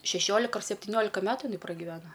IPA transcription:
ʃʲɛˈʃʲoːlʲɪkɐ ɐr sʲɛpʲtʲɪˈnʲoːlʲɪkɐ ˈmʲæːtʊ ɪˈnɐɪ prɐɡʲɪˈʋʲæːnoː

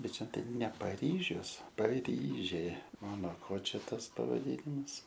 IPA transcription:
ˈbʲɛt ˈt͡ʃʲɛ ˈtɐɪ nʲɛ pɐˈrʲiːʒʲʊs pɐˈrʲiːʒʲeː ˈoː noː ˈkoː ˈt͡ʃʲɛ ˈtɐs pɐʋɐˈdʲiːnʲɪmɐs

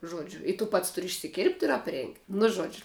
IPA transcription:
ˈʒoːd͡ʒʲʊ ɪ tʊ ˈpɐts ˈtʊrʲɪ ɪʃʲsʲɪˈkʲɪrpt ɪr ɐpʲˈrʲeːŋktʲ nʊ ˈʒoːd͡ʒʲʊ

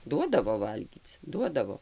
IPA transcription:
ˈduɔdɐʋoː ˈʋɐlʲɡʲiːt͡s ˈduɔdɐʋoː

